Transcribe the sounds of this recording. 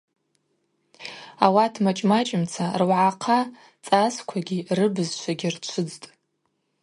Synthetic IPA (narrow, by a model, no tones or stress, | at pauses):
awatʰmat͡ʃʼmat͡ʃʼɪmt͡sʰarwʕaqʰa | t͡sʼaskʷʰaɡʲirɨbɨzt͡ʃʷʰaɡʲirt͡ʃʷʰɨd͡ztʼ